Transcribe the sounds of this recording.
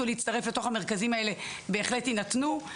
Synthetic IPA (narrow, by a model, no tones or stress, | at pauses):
uleit͡staʁe̞fle̞to̞χame̞ʁ̞kazimae̞le̞be̞ːχle̞tinatnu